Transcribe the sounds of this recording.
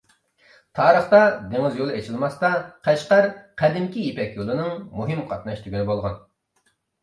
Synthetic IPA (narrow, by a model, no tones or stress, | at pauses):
t̪ʰɑːɾəχt̪ɑd̪eŋɪzjolˠɨet͡ʃʰilˠmɑst̪ɑqʰæʃqæɾqʰɛd̪ɪmkʲijepɛkʲjolˠɨnɨŋmuɦɨmqʰɑt̪̚nɑʃt̪ʰyɡʲynɪbolˠʁɑn